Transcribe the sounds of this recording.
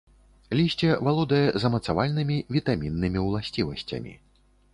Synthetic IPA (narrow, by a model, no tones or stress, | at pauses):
lʲisʲt͡sʲɛvalˠɔd̪ɐjɛzɐmɐt̪savalʲnɨmʲivʲit̪amʲinːɨmʲiwlˠasʲt͡sʲivɐsʲt͡sʲɐ̰mʲḭ